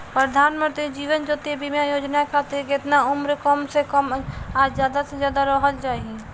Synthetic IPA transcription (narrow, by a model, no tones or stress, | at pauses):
pɾəd̪ʱaːnmə̃nt̪ɾid͡ʒiːʋənd͡ʒoːt̪ebimjajoːd͡ʒnakʰat̪ɪɾkɪt̪naʊmɾkəmsekəmaːɾd͡ʒjaːd̪ased͡ʒjaːd̪aɾəɦəld͡ʒaːi